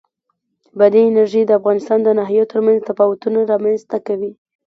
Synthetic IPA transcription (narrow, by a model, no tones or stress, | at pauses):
bad̪iɪnaɾʒid̪əafɣɑnɪst̪ɑnd̪ənaɦjot̪əɾmanzt̪apɑwat̪unaɾɑmanzt̪akawi